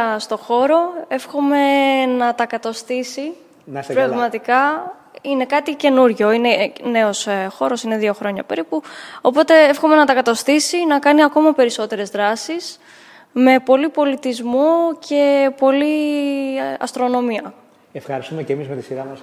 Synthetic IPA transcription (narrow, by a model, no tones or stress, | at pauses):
ɐst̪o̞xo̞ɾo̞e̞fxo̞me̞nɐt̪ɐkɐt̪ɐst̪isi | nɐspɾɐɣmɐt̪ikɐ | ine̞kɐt̪ice̞nuɾʝo̞ine̞ne̞o̞sxo̞ɾo̞sineðio̞xɾo̞ɲɐ̰pe̞ɾipuo̞po̞t̪e̞efxo̞me̞nɐt̪ɐkɐt̪ɐst̪isinɐkɐniɐko̞mɐpe̞ɾiso̞t̪e̞ɾe̞zðɾɐsis | me̞po̞lipo̞lit̪izmocʰe̞po̞li | ɐ̰st̪ɾo̞no̞miɐ | efxɐɾist̪umecemizmet̪isiɾɐɐs